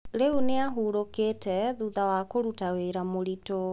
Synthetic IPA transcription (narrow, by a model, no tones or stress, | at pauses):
ɾeuneaɦuːɾoketɛðuðawakoɾutaweɾamoɾito